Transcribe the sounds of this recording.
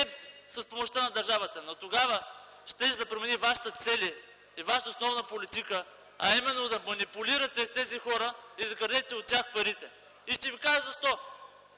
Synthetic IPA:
ɛsɐspomoʃt̪anɐd̪ɐɾʒavət̪ənot̪oɡavə | ʃt̪ɛʃd̪ɐpɾomɛnivaʃi̥t̪ət̪sɛlʲiː | vaʃt̪əosnɔvnəpolit̪ikə | ɐimɛnːod̪ɐmɐnipʊliɾɐt̪ɛt̪ɛzixɔɾəid̪ɐɡɾd̪ɛt̪ɛot̪ːʲjaxpɐɾit̪ɛ | iʃt̪ɛvikaʒəzɐʃt̪ɔ

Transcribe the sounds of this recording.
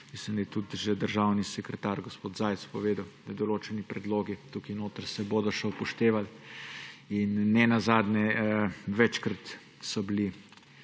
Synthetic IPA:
mislimd̪ajɛt̪ut̪ʒɛd̪əɾʒawnisɛkɾɛt̪aːɾɡɔspoːt̪zaːj̪spɔʋeːd̪əwd̪ɐd̪ɔloːt͡ʃɛnipɾɛd̪loːɡit̪ukinoːt̪əɾsɛboːd̪ɔʃɛpɔʃt̪eːʋal | inːɛnazaːd̪nɛ | ʋɛt͡ʃkɾat̪ | sɔbili

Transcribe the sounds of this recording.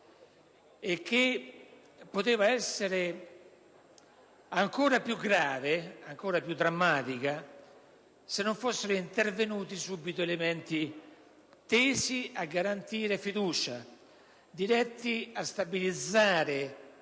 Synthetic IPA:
ekːe | pːot̪eːvaɛsːeɾe | aŋkoːɾapjuɡːɾaːveaŋkoːɾapjud̪ːɾamːaːt̪ika | senːoɱfosːeɾoint̪ervenuːt̪isuːbːit̪oelemɛnt̪i | t̪eːsiaɡːaɾant̪iːɾefid̪uːt͡ʃa | d̪iɾɛt̪ːiast̪abilid̪zːaːɾe

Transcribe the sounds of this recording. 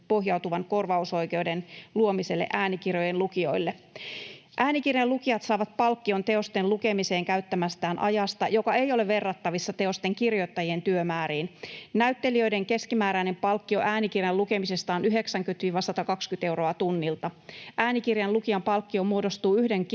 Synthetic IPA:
po̞hjɑwt̪uʋɑnko̞rʋɑuso̞ike̞uwdenluomise̞lːḛʔæːnikirjojenlukio̞̰ilːe | ʔæːnikirjɑlukiɑt̪sɑːʋɑt̪̚pɑlkːio̞nt̪e̞o̞st̪enlluke̞mise̞ːŋkæyt̪ːæmæst̪æːnʔɑ̰jɑst̪ɑjokɑe̞jo̞le̞ʋʋe̞rːɑt̪ːɑʋisːɑt̪e̞o̞st̪eŋkirjo̞t̪ːɑjie̞nt̪yømæːɾiːnnæyt̪ːe̞liø̞ijde̞ŋke̞skimæːɾæine̞mpɑlkːio̞ʔæːnikirjɑluke̞mise̞st̪ɑːnyɦe̞ksæŋkyt̪ʋiːʋɑsɑt̪ɑkɑkskyt̪e̞wro̞ɑt̪unːilt̪ɑʔæːnikirjɑnlukiɑmpɑlkːiomuo̞do̞st̪uːyhde̞ŋk

